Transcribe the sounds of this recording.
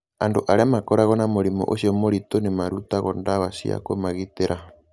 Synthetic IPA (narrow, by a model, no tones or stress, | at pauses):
andoʔaɾeamakɔɾaɣɔnamoɾimɔ̰ʔoʃiɔmoɾitonemaɾutaɣɔndawaʃḭa̰ko̰maɣiteɾʔa